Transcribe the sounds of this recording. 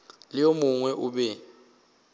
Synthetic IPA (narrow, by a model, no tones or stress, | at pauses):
lijomuŋwɛʔuɓɛ